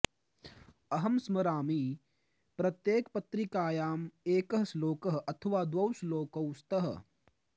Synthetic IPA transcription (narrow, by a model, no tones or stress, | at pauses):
ɐɦɐmsmɐɾaːmiː | pɾɐt̪jeːkpɐt̪ɾikaːjaːmeːkəɦɐsloːkɐɦʔɐt̪ʰɐʋaːd̪wɐwsloːkɐwst̪ɐɦ